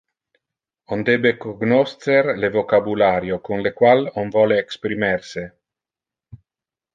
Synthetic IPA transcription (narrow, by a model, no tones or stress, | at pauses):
ond̪ebekoɡnost̪eɾlevokabulaɾjokunlekwalonvɔleːkspɾimɛɾse